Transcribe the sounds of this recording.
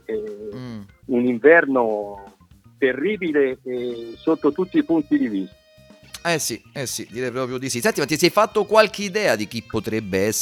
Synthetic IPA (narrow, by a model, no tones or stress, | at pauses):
ɛ | uniɱvɛrno | t̪erːiːbileː | sot̪ːot̪ut̪ːiːpunt̪id̪ivist̪a | ɛsiɛsːid̪iːɾɛjpɾɔːpɾjod̪isisɛnt̪imat̪isɛjfat̪ːokwalk̟eid̪ɛːad̪ik̟ipːot̪ɾɛbːeɛsː